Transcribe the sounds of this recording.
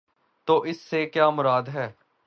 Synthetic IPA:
t̪oːʔɪsːeːkjaːmʊɾaːd̪ɦɛː

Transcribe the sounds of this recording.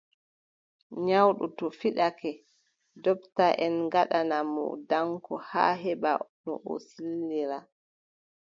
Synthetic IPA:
ɲawɗutɔfiɗakɛ | dɔptaʔɛnɡaɗanamɔ̰daŋkɔha̰ːɦɛɓa̰nɔ̰ʔɔ̰silːiɾa

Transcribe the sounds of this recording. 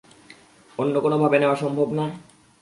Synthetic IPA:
onːokonobʱabeneoaʃɔmbʱobna

